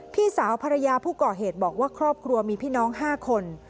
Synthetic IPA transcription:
p̪ʰiː˥˩saː˩˦wpʰa˧ɾa˧jaː˧pʰuː˥˩kɔː˨˩ɦeː˨˩t̪̚bɔː˨˩k̚waː˥˩kʰɾɔː˥˩p̚kʰɾu˧ɐmiː˧pʰiː˥˩nɔː˦˥ŋɦaː˥˩kʰo˧n

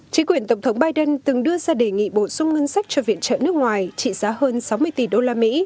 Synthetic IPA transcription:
t͡ɕï˨˦ŋkwi˨˩ənt̪ə˧˩wŋ͡mt̪ʰə˨˦wŋ͡mɓaː˧jɗə˧nt̪ɨ˨˩ŋɗɨ˧əzaː˧ɗe˨˩ŋḭ˧˨ɓo˧˩sʊ˧ŋ͡mŋə˧nsa˦˥jk̟̚t͡ɕɔ˧vḭ˧˨ənt͡ɕə̰ː˧˨nɨ˦˥ək̚ŋwaː˨˩jt͡ɕḭ˧˨zaː˨˦həː˧nsa˨˦wmɨ˧əjt̪i˨˩ɗo˧laː˧mḭ˧˥

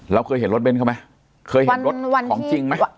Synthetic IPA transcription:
ɾa˧wkʰɤː˧jɦe˩˦nɾo˦˥t̚be˧nkʰa˥˩ma˦˥ | kʰɤː˧jhe˦˧˦ɾo˦˥a˧kʰɔː˩˦t͡ɕi˧ŋma˦˥

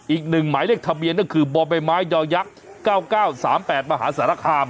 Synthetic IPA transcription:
ʔiː˨˩k̚nɯ˨˩ŋmaː˩˦jlək̚t̪ʰa˧bi˧ənːaː˥˩kʰɯː˧bɔː˧ba˧jmaː˦˥jjɔː˧ja˦˥ʔ̚ | kaː˥˩wkaː˥˩wsaː˩˦mpɛː˨˩t̪̚ma˧ɦa̰ː˩˦˥saː˩˦ɾa˧˩kʰaː˧m

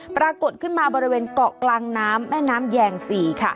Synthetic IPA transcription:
pɾaː˧ko˨˩t̪̚kʰɯ˥˩nmaː˧bɔː˧ɾi˦˥weː˧nkɔː˨˩klaː˧ŋnaː˦˥mːɛː˥˩naː˦˥mjɛː˧ŋsiː˨˩˦kʰa˥˩

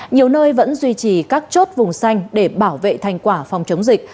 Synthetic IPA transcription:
ɲi˨˩əwnəː˧jvə̰˧˥nzwi˧t͡ɕi˨˩kaː˦˥k̚t͡ɕo˦˥t̚vʊ˨˩ŋ͡msa˧jŋ̟ɗe˧˩ɓaː˧˩wvḛ˧˨t̪ʰa˧jŋ̟kwaː˧˩fa˧wŋ͡mt͡ɕə˨˦wŋ͡mzï˨˩k̚

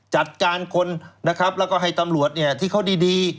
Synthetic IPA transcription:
t͡ɕa˨˩t̪̚kaː˧nkʰo˧nna˦˥kʰɾa˦˥p̚lɛː˦˥wkɔː˥˩ɦa˥˩jt̪a˧mlu˨˩ət̪̚ni˥˩ɐt̪ʰiː˥˩kʰa˥˩wdiː˧diː˧

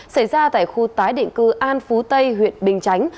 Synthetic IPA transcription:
sa˧˩jzaː˧t̪a̰ː˧˨jxu˧t̪aː˨˦jɗḭ˧˨ŋkɨ˧ʔaː˧nfu˨˦t̪ə˧jɦwḭ˧˨ənɓï˨˩ŋ̟t͡ɕa˨˦jŋ̟

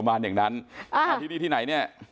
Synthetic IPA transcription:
maː˧njaː˨˩ŋna˦˥na˧˨˧iː˦˧˩niː˧˩t̪iː˥˩na˩˦jni˥˩ɐ

